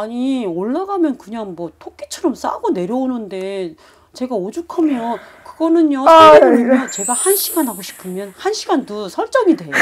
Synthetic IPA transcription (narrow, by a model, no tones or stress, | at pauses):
aɲioɭːaɡamjʌnkɯɲaŋmwʌtʰok̚k͈ʰit͡ɕʰʌɾʌms͈a̰ɡone̞ɾjʌonɯnde̞ | t͡ɕe̞ɡaod͡ʑukʰamjokɯɡʌnɯɲjoeɯniʌt͡ɕe̞ɡahanɕʰiɡanɦaɡoɕʰi̥pʰɯmjʌnhanɕʰiɡandusʰʌɭt͡ɕ͈ʌŋidwe̞jo